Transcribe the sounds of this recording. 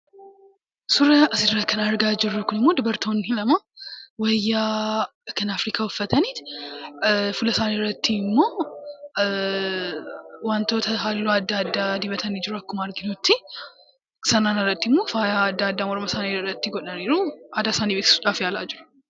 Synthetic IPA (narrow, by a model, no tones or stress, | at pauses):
sʊɾɐʔɐsɪd̪ɾɐkʰɐnaɾɡad͡ʒɪrːukːʊnɪmːod̪ɪbɐɾt̪ʰonhɪlɐma | wɐjːa | kʰɐnafɾikʰawɔfːɐt̪ʰɐnit̪ | fʊlɐsaːneɾɐt̪ːiɪmːoː | want̪owt̪ʰɐɦalːuɐd̪ːad̪ːad̪ibɐt̪ʰɐnid͡ʒɪɾuɐkːʊmaɾɡɪnot̪ːi | sɐnanaɾɐt̪ːiɪmːofajaːd̪ːaːd̪ːamɔɾmɐsaneɾɾɐt̪ːɪɡɔᶑɐneːɾuad̪asaːnibet̪sᶑafjalad͡ʒɪɾu̥